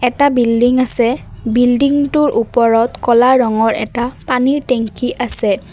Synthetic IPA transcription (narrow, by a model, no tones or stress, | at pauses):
ɛtabildiŋasɛbildiŋtʊɹʔupɔɹɔtkɔlaɹɔŋɔɹɛ̰tapaniɹtɛŋkiʔasɛ